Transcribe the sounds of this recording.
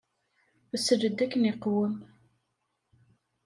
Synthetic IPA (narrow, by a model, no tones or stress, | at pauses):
səd͡ʒəd̪ːækːəniqwəm